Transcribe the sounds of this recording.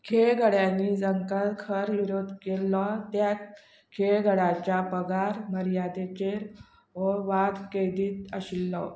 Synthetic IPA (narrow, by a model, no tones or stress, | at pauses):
kʰeɭɡʱəɽjaniːd͡zəŋkəlkʰəɾʋiɾod̪kelɔt̪jat̪ | kʰeɭɡʱəɽat͡ɕapəɡʱaɾməɾijad̪et͡ɕeɾ | ʋəʋad̪ked̪iːt̪əɕilːɔ̰